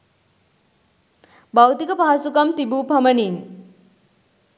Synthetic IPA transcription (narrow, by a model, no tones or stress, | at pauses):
bawt̪ikəpaɦasukɐmt̪ibupʰɐmənin